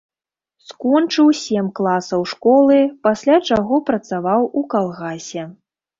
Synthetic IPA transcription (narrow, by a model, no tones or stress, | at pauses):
skɔnt͡ʂɨwsʲɛmklˠasɐwʂkɔlˠɨpasʲlʲat͡ʂaɣɔpɾɐt̪savawukalˠɣasʲɛ